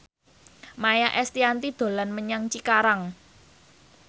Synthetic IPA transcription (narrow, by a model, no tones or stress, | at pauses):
majaʔɛst̪iant̪id̪̥o̤lanməɲaŋt͡ʃikaɾaŋ